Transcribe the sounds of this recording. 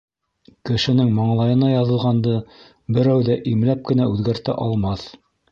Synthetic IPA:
kɘ̆ʃɘ̆nɘŋmɑɴlˠɑjɤ̆nɑjɑðɤ̆lˠʁɑnd̪ɤ | bɘ̆ɾæwðæʔimlæp̚kɘ̆næʉðɡæɾt̪æ̰ʔɑlˠmɑθ

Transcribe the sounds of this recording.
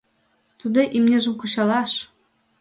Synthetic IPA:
t̪ud̪ɤ̆ʔimnʲeʒə̆mkuɕɑlɑʃ

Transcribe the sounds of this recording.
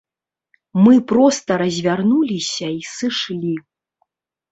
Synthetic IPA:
mɨpɾɔst̪ɐɾɐzʲvʲarnulʲisʲɐisɨʂlʲi

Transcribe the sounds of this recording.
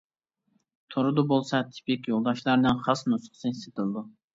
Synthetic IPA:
t̪ʰoɾɨd̪ubolˠsɑt̪ʰɪ̥pɪkʲjolˠd̪ɑʃlˠɑɾnɨnχɑsnusχsɨset̪ʰɨlˠɨd̪u

